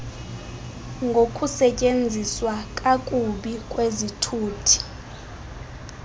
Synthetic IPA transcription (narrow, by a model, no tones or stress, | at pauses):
ŋɡʱokʼusɛcʼend͡zʱiswakʼakʼuɓikʼwezitʰuːtʰi̥